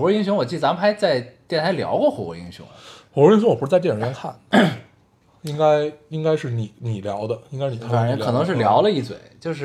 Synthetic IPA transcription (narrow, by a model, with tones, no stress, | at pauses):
ɔ˧˥i˥ŋɕjʊ˧˥ŋwɔ˨˩t͡ɕi˥˩t͡sa˧˥mə˧xa˧˥ɪt͡sa˥˧ɪt̪jɛ˥˩nt̪ʰa˧˥ɪljɑ̰˧˥ʊkwɔ˥˧xɔ˧˩ɔ̰˧˥ḭ˧˥ŋɕjʊ̰˧˥ŋxɔ˧˩wɔ˥i˥ŋ̬ɕʊ˧˥ŋwpu˥t͡sʈ͡ʂjɛ˥nkʰa̰˥˩n | i˥ŋka˥ɪi˥ŋka˥ɪʂɻ̩˥˩ni˨˩˦ni˨˩ljɑ˧˥ʊd̪ə˧i˥ŋka˥ɪni˨˩˥a˧˨˩ɤ˨˩nɤ˧˥ŋʂɻ̩˥˩ljɑ˧˥ʊlə˧i˥˩t͡swḛ˨˩˦ɪt͡ɕjo˥˧ʊʂ̬ɻ̩˥˩